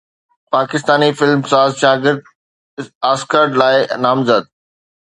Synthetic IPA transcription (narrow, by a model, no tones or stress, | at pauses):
paːkɪst̪aːnifɪlmsaːzʃaːɡɪɾd̪̚ | aːskəɾɖlaːɪnaːmzəd̪̚